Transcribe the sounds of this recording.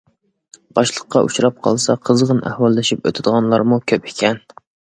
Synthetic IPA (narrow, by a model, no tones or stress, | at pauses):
b̥ɑʃlˠəqːɑʔṵt͡ʃɾɑp̚qʰɑ̰lˠsɑqʰəzʁənʔæ̰hwɑlˠːɪʃipø̰t̪ʰɪd̪əʁɑnlˠɑɾmukʲʰøpɪ̥kʲʰɛn